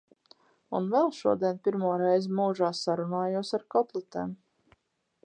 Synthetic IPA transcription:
unvɛlˠʃuɔd̪iɛnpʲiɾmuɔɾɛjzmuːʒaːsaɾunaːjuɔsaɾkɔt̪lˠɛt̪eːm

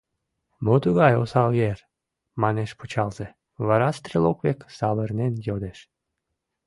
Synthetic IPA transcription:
mot̪uɣɑjo̰sɑljer | mɑneʃput͡ɕɑlze | βɑɾɑst̪ɾelokβeksɑβərnenjod̪eʃ

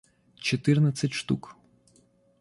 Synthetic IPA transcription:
t͡ʃɔt̪ɪrnɐt͡sʲɐtʲʃt̪uk

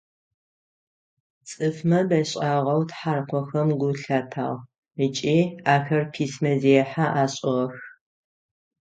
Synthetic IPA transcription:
t͡sʼɨfmɐbɐɕʼaʁɐwtħaːrqʷɔxɐmɡʷʊɬatʰaːʁ | ɨt͡ʃʼiːaːxɐrpʰiːsmɐzeːɛħaʔaːɕʼɪʁɐx

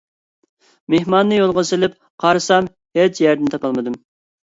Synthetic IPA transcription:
mehmɑnːɨjolˠʁəsɪlɪp̚ | qʰɑɾɨsɑm | het͡ʃjæɾd̪ɪnt̪ʰɑpʰɑlˠmɨd̪ɨm

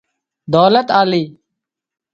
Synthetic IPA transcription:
d̪oːlət̪aːliː

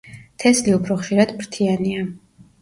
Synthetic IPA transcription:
t̪ʰɛsliupʰɾɔχʃiɾad̪mɾt̪ʰiania

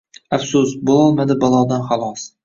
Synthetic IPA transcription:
afsʊsbolˠɒlˠmad̪ɪbɒlˠɒd̪anχɑlˠɒs

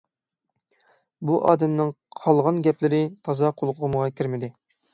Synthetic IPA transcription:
buʔɑ̰ːd̪ɛmnɨŋ | qʰɑlˠʁɑnɡʲɛplɪɾɪt̪ʰɑzɑqʰolˠqʰʊʁəməʁɑkʲʰiɾmɪd̪ɪ

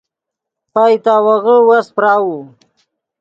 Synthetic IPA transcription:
pajt̪aːwaɣəwaspɾaːwu

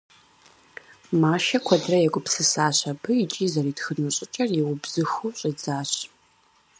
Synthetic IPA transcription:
maːʃɐkʷʰɐdrɐjɛɡʷʊpsɨsaːɕɐbɨjɪt͡ʃʼiːzɐriːtxɨnɨɕʼɪt͡ʃʼɐrjɛwʊbz̥ɨxuːɕʼid͡zaːɕ

